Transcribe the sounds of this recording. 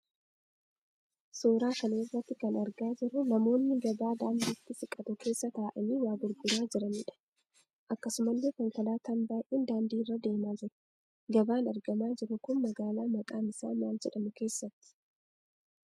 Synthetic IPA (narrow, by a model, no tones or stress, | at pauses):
soːɾaːkɐleːrːɐt̪ːɪkɐnɐɾɡaːd͡ʒɪɾʊnɐmo̞ːnːɪɡɐbaːd̪aːnd̪iːt̪ːɪsɪkʼɐt̪ʊke̞ːsːɐt̪aːʔɐmiːwaːɡʊɾɡʊɾaːd͡ʒɪɾɐniːᶑɐ̥ | ʔɐkːɐsʊmɐlːeːkɐŋkɐlaːt̪ɐnbaːjʔiːnd̪aːnd̪iːrːɐd̪e̞ːmaːd͡ʒɪɾʊ̥ | ɡɐbaːnɐɾɡɐmaːd͡ʒɪɾʊkʊnmɐɡaːlaːmɐkʼaːmɪsa̰ːnwaːnd͡ʒɛᶑɐmʊke̞ːsːɐt̪ːɪ̥